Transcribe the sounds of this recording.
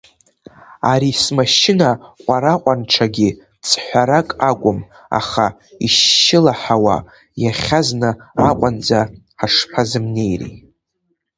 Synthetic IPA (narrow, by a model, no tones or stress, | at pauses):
aɾismaʃɪnaqʷʼaɾaqʷʼanʈ͡ʂʰaɡʲi | t͡sʰħʷaɾakʼakʷʼʊm | a̰χaḭʃɪlaħawa̰ | jaχʲaznɨaqʷʼand͡za | ħaʂpʰazɨmne̞jrḭj